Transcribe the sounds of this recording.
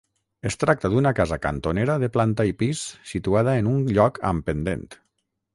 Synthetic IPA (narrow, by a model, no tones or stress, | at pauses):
est̪ɾak̚t̪əðunakazaka̰nt̪oneɾəðəplant̪aipisːit̪uaðəenunʎɔkʰə̰mpənd̪ḛnt̪